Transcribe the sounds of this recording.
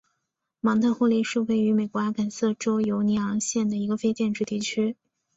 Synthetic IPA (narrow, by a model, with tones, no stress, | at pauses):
mɑ˧˥ŋt̪ʰɤ˥˧xwɔ˥˧li˥˧ʂɻ̩˥˧we˥˩ɪy˧˥me˨˩ɪkwɔ˧˥a˥kʰa˨˩nsɤ˥˩ʈ͡ʂo˥ʊjo˧˥ʊni˧˥ɑ˧˥ŋɕjɛ˥˩nd̪ə˩i˧˥ɡə˧fe˥ɪt͡ɕjɛ˥˧nʈ͡ʂɻ̩˥˧t̪i˥˩t͡ɕʰy˥